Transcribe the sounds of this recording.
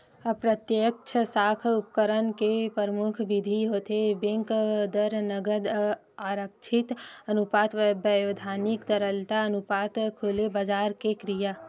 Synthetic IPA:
əpɾət̪jək̚t͡ʃʰəsaːkʰup̚kəɾənkepəɾəmʊkʰʋid̪ʱiɦoːt̪ebẽŋkd̪əɾnəɡəd̪ | aːɾəkt͡ʃʰɪt̪ənupaːt̪ʋbəjod̪ʱaːnikd̪əɾəlt̪aənupaːt̪kʰulebəd͡ʒaːɾkekɾija

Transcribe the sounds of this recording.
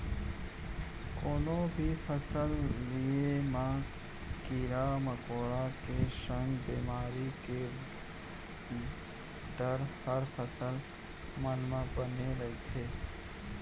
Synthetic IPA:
koːnõbʱipʰəsəlːiemã | kiɾaməkoːɽakeʃə̃ŋɡbiːmaːɾike | ɖəɾhəɾpʰəsəl | mənmãbəneɾəit̪ʰeː

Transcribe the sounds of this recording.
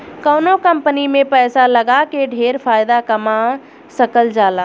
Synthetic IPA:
kəːnokəmpənimẽpɛːsaləɡakeɖʱeːɾpʰaːjd̪akəma | səkəld͡ʒaːla

